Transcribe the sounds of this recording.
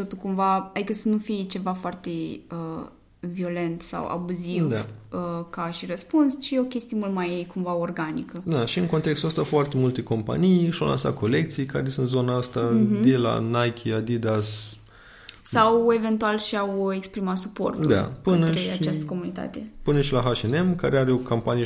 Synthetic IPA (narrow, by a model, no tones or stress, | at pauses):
t̪o̞t̪ulkumvaad̪ikəsənufijt͡ʃe̞vafoart̪e̞ə | vio̞le̞nt̪sa̰wa̰buzivd̪aəkaʃirəspunst͡ʃieo̞kʲe̞st̪iemult̪majkumvaorɡanikəd̪aʃiɨŋkont̪ekst̪uəst̪afoart̪e̞mult̪e̞ko̞mpa̰nijʃawla̰nsa̰t̪̚kʰo̞le̞kt̪sijkaɾe̞sunt̪zo̞naast̪ad̪ela̰najkʲʰiad̪id̪as | sawe̞ve̞nt̪ualʃiawekspɾimat̪supo̞̰rt̪ud̪a̰pɨnəɾeat͡ʃast̪ə̥ko̞munit̪a̰t̪epɨnəʃilaɦaʃenemkaɾeaɾeo̞kampanij